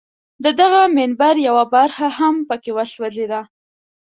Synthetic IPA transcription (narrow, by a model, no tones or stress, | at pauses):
d̪əd̪aɣamɪnbaɾjawabaɾxahampəkewaʃwazed̪a